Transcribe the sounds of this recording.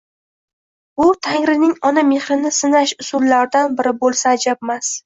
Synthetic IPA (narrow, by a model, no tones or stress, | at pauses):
ʊt̪ʰaŋɾɪnɪŋɒname̞χɾɪnɪsɪnaʃʊsʊlːaɾd̪anbɪɾɪbolˠsaːd͡ʒabmas